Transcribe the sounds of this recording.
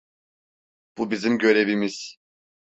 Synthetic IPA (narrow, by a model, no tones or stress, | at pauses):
b̥ubizimɟø̞ɾe̞vimiz̥